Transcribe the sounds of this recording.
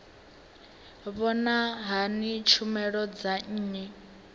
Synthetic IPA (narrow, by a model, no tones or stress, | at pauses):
βɔnaɦanit͡ʃʰumɛɺɔd͡zaɲ̩ːɲɛ